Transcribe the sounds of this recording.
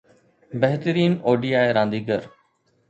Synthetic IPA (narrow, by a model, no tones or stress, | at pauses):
bɛɦt̪əɾiːnoːɖiːaːeɾãːnd̪iːɡəɾ